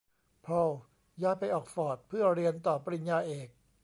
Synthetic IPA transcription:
pʰo˧w | jaː˦˥jpa˧jʔɔː˨˩k̚fɔː˨˩t̪̚pʰɯ˥˩ɐɾi˧ənt̪ɔː˨˩pa˧ɾi˧˩njaː˧ʔeː˨˩k̚

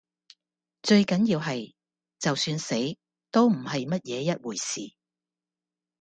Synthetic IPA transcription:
t͡ʃɵ˧ɥkɐ˨˥njiː˧wɦɐ˨j | t͡sɐ˨wsyː˧nse˨˥j | t̪o˥wm̩˨˩hɐ˨jmɐ˥t̚jɛː˨˧jɐ˥t̚wuː˨˩jsiː˨

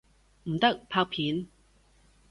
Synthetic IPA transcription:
m̩˨˩t̪ɐ˥k̚pʰaː˧k̚pʰiː˨˥n

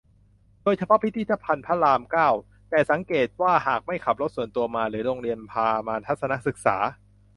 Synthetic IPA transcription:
doː˧jt͡ɕʰa˧pʰɔ˦˥pʰi˦t̪ʰiː˥˩t̪ʰːa˧˥pʰa˧npʰa˦˥laː˧mkaː˥˩w | t̪ɛː˨˩sa˩˦ŋkeː˨˩t̪̚waː˥˩haː˨˩k̚ma˥˩jkʰa˨˩p̚ɾo˦˥t̪̚su˨˩ənt̪u˧ɐmaː˧lɯː˩˦ɾoː˧ŋɾi˧ənpʰaː˧maː˧t̪ʰa˦˥t̪̚sa˧na˦˥ʔsɯ˨˩k̚sa̰ː˩˦

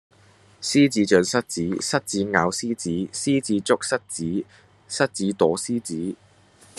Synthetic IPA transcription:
siː˥t͡siː˨˥t͡ʃœː˨˧nsɐ˥t̚t͡siː˨˥sɐ˥t̚t͡siː˨˥ŋaː˨˧wsiː˥t͡siː˨˥siː˥t͡siː˨˥t͡sʊ˥k̚sɐ˥t̚t͡siː˨˥ | sɐ˥t̚t͡siː˨˥t̪ɔː˨˥siː˥t͡siː˨˥

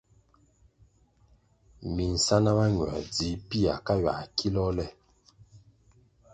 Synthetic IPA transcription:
mi˨n̩˨sa˦na˦βa˦ɲwa̰˨d͡zi˨˦pi˦a˨ka˦ɥa̰˨ki˦lɔ˦lɛ˦

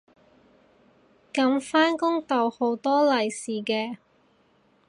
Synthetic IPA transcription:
kɐ˨˧˥mfaː˥nkʊ˥ŋt̪ɐ˨˩who˨˧˥wt̪ɔː˥lɐ˨jsiː˨˩kɛː˧

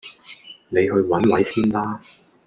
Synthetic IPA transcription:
ne˨˧jɦɵ˧ɥwɐ˨˥nwɐ˨˥jsiː˥nlaː˥

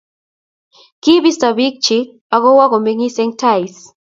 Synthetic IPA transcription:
ki˦bi˦sta˨bi˦k̚t͡ʃi˦ | a˨kɔ˦wa˦kɔ˨me˦ŋi˦sɛ˦ŋtʰa˦js

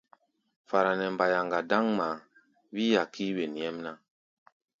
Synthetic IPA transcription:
fa˨ɾa˨nɛ˨mba˨ja˨ŋɡa˨da˦ŋma˨ | wi˦ja˨ki˦we˨n˨jɛ˦mna˦

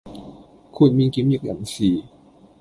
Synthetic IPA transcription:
kʰu˨˧˩nmiː˧ki˧˦˥mji˧˥k̚ja̰˨˩˦ŋsiː˨˩

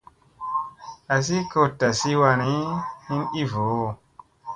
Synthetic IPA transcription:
a˨s̬i˦ko˧ta˨si˦wa˧ni˦hi˦ni˦vo˨˦˨

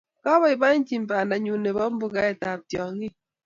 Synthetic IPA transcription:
kɔ˦βɔ˦i˨ba˦i˦n˦t͡ʃi˨m̩˨pa˨nda˨ɲu˨ne˨bɔ˦m̩˦bu˨ka˦ɛ˨ta˨p̚tjɔ˨ŋi˦

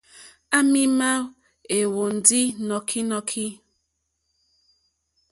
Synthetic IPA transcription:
a˦mi˦ma˦w | e˨wo˨n̩˨di˦nɔ˨kʰi˦nɔ˦kʰi˦

